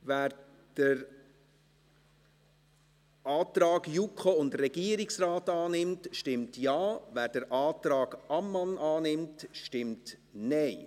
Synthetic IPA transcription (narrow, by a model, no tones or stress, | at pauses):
væːɾ | d̥əɾ | ʔɑːtɾɑːɡjukʰχoʊndrɛɡiəɾɪksɾaːtɑːnɪmtʃtɪmtjɑːvæːɾd̥əɾʔɑːtɾɑːɡʔɑmːɑnʔɑːnɪmtʃtɪmtnɛɪ